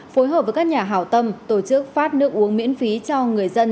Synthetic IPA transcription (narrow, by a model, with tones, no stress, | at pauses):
fo˨˦jɦəː˨˩p̚vəː˨˦jkaː˦˥kɲaː˨˩ɦaː˧˩wt̪ə˧mt̪o˧˩t͡ɕɨ˦˥k̚faː˦˥t̚nɨ˦˥ək̚ʔu˨˦əŋmḭ˧˥ənfi˨˦t͡ɕɔ˧ŋɨ˨˩əjzə˧n